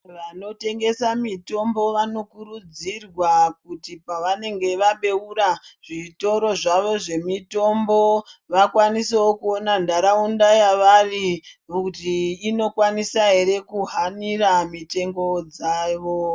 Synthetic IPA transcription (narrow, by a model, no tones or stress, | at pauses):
ʋano̞te̞ŋɡe̞samito̞mbo̞ʋano̞kuɾud͡zirwak̚utipaʋane̞ŋɡe̞ʋaɓe̞uɾaʐ̥ito̞ɾo̞ʐaʋo̞ʐe̞mito̞mbo̞ʋakwaniseokuonandaɾaundajaʋarikutiːno̞kwanisaɦe̞ɾe̞kuɦaniramite̞ŋɡo̞d͡zaːʋo